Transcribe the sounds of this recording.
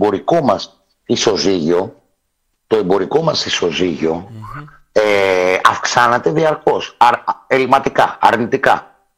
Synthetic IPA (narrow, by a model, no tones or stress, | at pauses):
bo̞ɾiko̞mɐs | iso̞ziʝo̞ | t̪o̞e̞mbo̞ɾiko̞mɐsiso̞ziʝo̞ | eɐfksɐnɐt̪e̞ðiɐɾko̞selimɐt̪ikɐɐ̰ɾnit̪ikɐ